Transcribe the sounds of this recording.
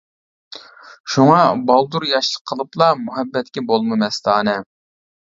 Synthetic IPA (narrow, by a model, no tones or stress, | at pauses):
ʃuŋɑbɑlˠd̪uɾjɑʃlˠəqʰəlˠɨplˠɑmuɦɛbːɛt̪kʲɛbolˠmɨmɛst̪ɑːnɛ